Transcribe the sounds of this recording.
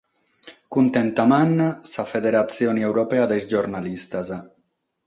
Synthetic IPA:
kunt̪ent̪amanːasafedeɾat͡sioniewɾopead̪esd͡ʒoɾnalist̪aza

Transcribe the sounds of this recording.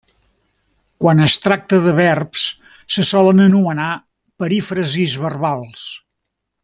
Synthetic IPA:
kwanəst̪ɾak̚t̪əðəβɛrps | səsɔlənənuəna | pəɾifɾəzizβərβalˠs

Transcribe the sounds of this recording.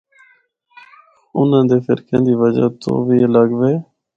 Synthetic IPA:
ʊnãːnd̪eːfɪɾkə̃ːnd̪iːʋəd͡ʒa̰t̪o̰ːʋielaɡʋeː

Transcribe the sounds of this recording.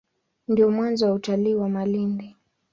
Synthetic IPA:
ndijɔmwanzɔwautaliːwamalindi

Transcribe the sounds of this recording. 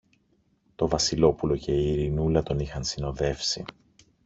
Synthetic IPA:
t̪o̞vɐsilo̞pulo̞ce̞iːɾinulɐt̪o̞nixɐnsino̞ðe̞fsi

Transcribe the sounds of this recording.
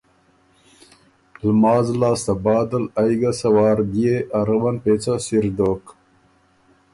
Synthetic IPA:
lmɑːzlɑːst̪ɐbɑːd̪ɐlɐjɡɐsɐwɑːɾd̪ieʔɐɾəbɐnpeːt͡sasiɾd̪oːk

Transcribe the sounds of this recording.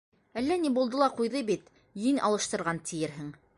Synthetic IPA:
ælːænibulˠd̪ɤ̆lˠɑqujðɤbit̪ | jɵnʔɑ̰lˠɤ̆ʃt̪ɤ̆ɾʁɑnt̪ʰɘ̆jɘɾɦɘŋ

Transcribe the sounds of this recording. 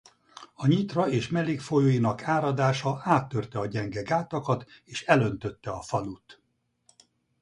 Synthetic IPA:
ɒɲit̪rɒeːʃmɛleːkfojoːjinɒkʰaːɾɒd̪aːʃɒaːt̪ːørt̪ɛɒɟɛŋɡɛɡaːt̪ɒkɒt̪eːʃɛlø̞nt̪ø̞t̪ːɛɒfɒlut̪

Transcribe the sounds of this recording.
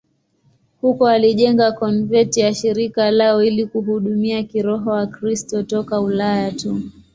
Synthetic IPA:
hukɔaliʄɛŋɡakɔnvɛtijaʃiɾikalaɔilikuɦuɗumiakiɾɔɦɔwakɾistɔtɔkaulajatu

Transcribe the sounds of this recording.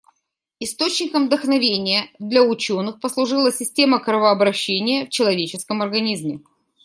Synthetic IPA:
ɪst̪ot͡ɕnʲɪkəmvd̪əxnɐvʲenʲɪjəd̪lʲɐʊt͡ɕo̞nːɨxpəslˠʊʐɨlˠəsʲɪsʲtʲe̞məkɾəvəɐbɾɐɕːenʲɪjəft͡ɕɪlˠɐvʲet͡ɕɪskəmɐrɡɐnʲizmʲɪ

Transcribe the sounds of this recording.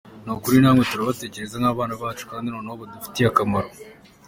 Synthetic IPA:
nokuɾinaːmwetuɾaβate̞ːce̞ɾe̞zaŋaːβaːnaβaːt͡ʃu̥kaːndinoːnaoβadufi̥tijakamaɾo

